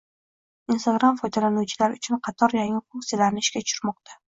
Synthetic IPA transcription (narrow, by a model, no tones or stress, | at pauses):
inst̪aɡɾamfɒjd̪alanuwt͡ʃʰɪlaɾʊt͡ʃʰʊnqʰɑt̪ʰɒɾjaŋɪfuŋksijalaɾnɪɪʃkʲat͡ʃʰʊɾmɒq̚t̪ʰa